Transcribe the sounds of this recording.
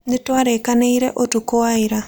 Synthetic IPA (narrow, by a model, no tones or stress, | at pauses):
nituaɾekaneiɾḛʔotukowaiɾa